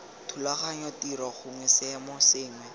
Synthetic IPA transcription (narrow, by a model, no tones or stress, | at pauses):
tʰulaχaɲɔtiɾaχʊŋwɛsɪmɔsɪːŋwɛ